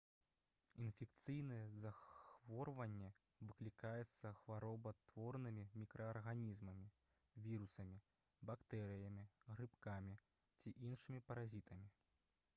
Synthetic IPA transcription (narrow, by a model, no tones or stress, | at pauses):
infʲɛkt̪sɨjnɐjɛzaxvɔrvɐnʲːɛ | vɨklʲikajɛt̪sːɐxvaɾɔbɐt̪vɔrnɨmʲimʲikɾɐːrɣanʲizmɐmʲi | vʲiɾusɐmʲi | bakt̪ɛɾɨjɐmʲiɣɾɨpkamʲi | t͡sʲiʔinʂɨmʲipɐɾazʲit̪ɐmʲi